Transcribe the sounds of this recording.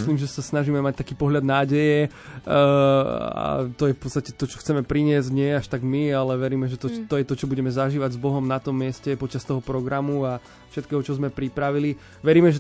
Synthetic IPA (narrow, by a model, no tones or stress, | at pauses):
sliːmʒɛsasnaʒiːmɛmac̚t̪akiːpɔɦʎad̪naːɟɛjɛ | a̰t̪ɔjɛfpɔt͡st̪acɛ̥t̪ɔt͡ʃɔ̥xt͡sɛmɛpɾiɲɪɛzɟɲɪɛjɛaʃt̪aɡmialɛʋɛɾiːmɛʒɛt̪ɔt̪ɔjɛt̪ɔt͡ʃɔbuɟɛmɛzaʒiːʋaɟzbɔɦɔmnat̪ɔmːɪɛscɛpɔt͡ʃast̪ɔɦɔpɾɔɡɾamua | fʃɛt̪̚kɛːɦɔt͡ʃɔzmɛpɾipɾaʋili | ʋɛɾiːmɛʒɛ